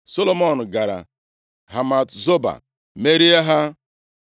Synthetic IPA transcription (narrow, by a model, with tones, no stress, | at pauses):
so˦lo˦mo˦˨n̩˨ɡa˨ɾa̰˨ | ɦa˨ma˨tzo˦ba̰˨ | me˦ɾi˦a˦ɦa˦